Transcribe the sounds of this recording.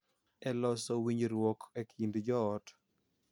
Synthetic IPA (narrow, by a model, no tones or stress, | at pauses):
ɛlɔsɔwiɲɾwɔkekʰindd͡ʒɔːt